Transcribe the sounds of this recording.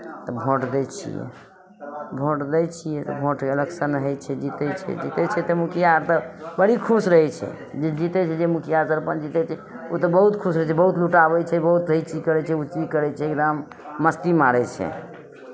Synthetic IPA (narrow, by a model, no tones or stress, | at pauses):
t̪ɔbʱoʈd̪ɛt͡ʃʰḭjɛ̰ | bʱoʈd̪ɛt͡ʃʰijɛt̪ɔbʱoʈkeələɡsənəɦət͡ʃʰɛd͡ʒit̪ɛt͡ʃʰɛ̰d͡ʒit̪ɛt͡ʃʰɛt̪ɔmukʰijaɾt̪əbəɽikʰusɾəɦɛt͡ʃʰɛ̰ | d͡ʒed͡ʒit̪ɛt͡ʃʰɛd͡ʒemukʰijasəɾpənd͡ʒit̪ɛt͡ʃʰɛ | ot̪ɔbəɦut̪kʰusɾəɦɛt͡ʃʰɛbəɦut̪luʈabɛt͡ʃʰɛbəɦut̪̚ɾəit͡ʃikəɾɛt͡ʃʰɛut͡ʃikəɾɛt͡ʃʰɛɡd̪amː | əst̪imaɽɛt͡ʃʰɛ̰